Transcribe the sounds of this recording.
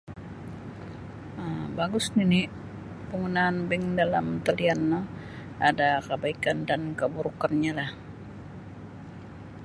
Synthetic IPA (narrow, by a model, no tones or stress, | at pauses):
əmbaɡʊsnini | pəŋɡunaːnbɛŋdalamt̪alianːə | adakəbaikandankəbuɾukanɲalah